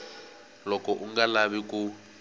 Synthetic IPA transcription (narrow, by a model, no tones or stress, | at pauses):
lɔkɔʔuŋɡalaβiku